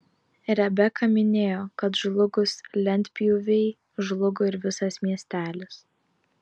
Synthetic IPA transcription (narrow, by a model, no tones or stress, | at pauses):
ɾʲɛbʲɛkɐmʲɪnʲeːjoːkɐt̪ʒlˠʊɡʊslʲɛnʲt̪ʲpʲjuʋʲɛɪ | ʒlˠʊɡoɪɾʋʲɪsɐsmʲiɛsʲt̪ʲæːlʲɪs